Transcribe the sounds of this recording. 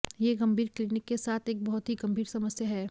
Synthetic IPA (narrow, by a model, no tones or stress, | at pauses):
jeɡɐ̃mbʱiːɾklinɪkːesaːt̪ʰeːk̚bɔɦʊt̪ɦiɡɐ̃mbʱiːɾsɐməsjəɦɛː